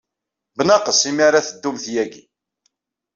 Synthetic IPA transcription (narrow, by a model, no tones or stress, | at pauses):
bənɑqəsimaɾaθəd̪ːumθjæɡḭ